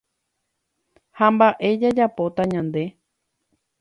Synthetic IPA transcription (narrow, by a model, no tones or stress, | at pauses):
hambaʔe̞d͡ʒad͡ʒapo̞t̪aɲãnd̪e̞